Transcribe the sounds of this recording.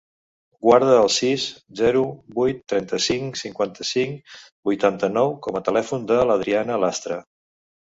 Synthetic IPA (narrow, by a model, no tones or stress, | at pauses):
ɡwaɾð̞əːlˠsiszɛɾubujt̪ːɾɛnt̪əsiŋsiŋkwant̪əsiŋ | bujt̪ant̪ənɔwkɔmət̪əlɛfund̪ələð̞ɾianəlast̪ɾə